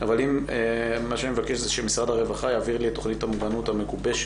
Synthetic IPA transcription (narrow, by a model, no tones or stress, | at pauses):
avalimemːaʃanimevake̞ʃzeʃemisʁad̪haʁe̞vaχajaːviʁlit̪ːo̞χnithamuɡanuthamekubeʃ